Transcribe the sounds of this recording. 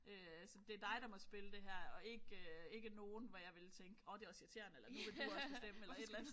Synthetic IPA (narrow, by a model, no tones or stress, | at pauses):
øæsɒd̥e̝æɐd̥ɑ̈ɪɾ̥ɑ̈mɒ̽sb̥e̝ləd̥e̝ɦæɐ̰ɒ̽e̝ɡ̥øe̝ɡ̥əno̝ːn̩ʋæjɑ̈ɪʋe̝lt͡sʰeŋɡ̥əɒ̽d̥e̝ɒ̽sit͡sʰe̝ɐ̰nelɐn̥uʋel̥eɒssd̥eməelɐe̝delæn